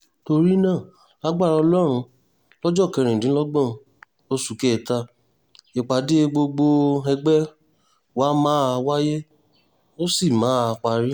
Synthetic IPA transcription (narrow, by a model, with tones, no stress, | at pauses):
to˧ɾi˦nãː˦˨ | la˦ɡ͡ba˦˨ɾa˧lɔ˦ɾ̃ũ˧ | lɔ˦d͡ʒɔ˦˨kɛ˧ɾ̃ĩ˨dĩ˨˦lɔ˦ɡ͡bɔ̃˦˧ | o˦su˦˨kɛ˦˨ta˧ | e˨k͡pa˨di˦e˧ɡ͡bo˧ɡ͡bo˧ɛ˧ɡ͡bɛ˦ | wa˦mãː˦a˧wa˦je˦ | o˦si˦˨mãː˨˦a˨˧k͡pa˨˧ɾi˦